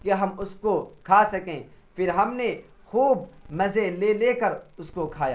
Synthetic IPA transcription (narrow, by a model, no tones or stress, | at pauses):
keɦɐmʊskokʰaːsɐkẽːpʰɪɾɦɐmne | xuːbmɐzeleːleːkəɾʊskokʰaːja̰ː